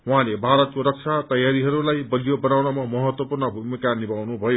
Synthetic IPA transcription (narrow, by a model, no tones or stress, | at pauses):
wuɦãlebʱaɾʌt̪̚koɾʌk̚t͡sʰat̪ʌjaɾiɦʌɾulajbʌɡjobʌnawnamamʌɦʌt̪wʌpurnʌbʱumikanibawnubʱʌjo